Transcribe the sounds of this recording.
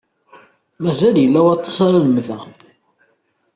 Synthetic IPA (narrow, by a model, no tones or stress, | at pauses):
mæzæljəlːæwɑt̪ˤːɑ̥saɾaləmːðæ